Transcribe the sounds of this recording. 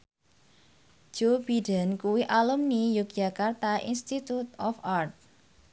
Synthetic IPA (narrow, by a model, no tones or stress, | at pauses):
ʒ̥ob̥iɖa̤nkuwiʔalumnijuk̚d̥ʒ̥a̤kart̪aʔḭnst̪it̪ut̪ɔfart̪̚